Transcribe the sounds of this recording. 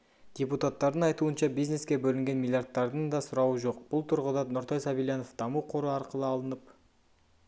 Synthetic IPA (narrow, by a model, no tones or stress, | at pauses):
d̪̥ʲeput̪at̪ːɑɾd̪əɴɑjt̪uənʃɑbijzne̞skʲe̞bɵlɪŋɡʲe̞nmʲilʲˠjart̪ːɑɾd̪ənd̪ɑsʊɾɑwəʒo̞qbʊlˠt̪ʰʊɾʁəd̪ɑnʊɾt̪ʰɑjsɑbijlʲjano̞fd̪̥ɑmuqʰo̞ɾəɑɾqəlˠəɑlˠənəp